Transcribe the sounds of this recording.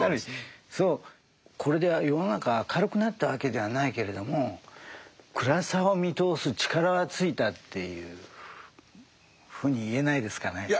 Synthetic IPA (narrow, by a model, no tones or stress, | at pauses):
so̞ː | kʰo̞ɾe̞d̪e̞βajo̞no̞nakaβakʰaɾɯ̟kɯ̟nat̪ːaβake̞d̪e̞β̞anaike̞ɾe̞d̪o̞mo̞ | kɯ̟ɾasaomʲit̪o̞ːsɨt͡ɕi̥kaɾaβat͡sɨit̪at̪ʰːe̞jɯ̰ː | ɸɯ̟ːɲ̟iːe̞naid̪e̞sɨ̥kane̞